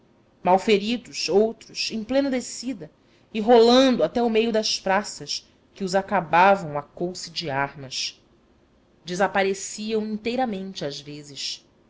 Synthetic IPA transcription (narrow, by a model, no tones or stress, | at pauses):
mawfeɾid̪ʊʃowt̪ɾʊsẽj̃plẽnɐd̪esid̪ɐ | ɪɦolɐ̃nd̪ʊat̪ɛʊmejʊd̪ɐspɾasɐs | kɪʊzakabavɐ̃w̃akowsɪd͡ʒiahmɐʃ | d͡ʒɪzapaɾesiɐ̃w̃ĩnt̪ejɾɐmẽnt͡ʃɪazvezɪʃ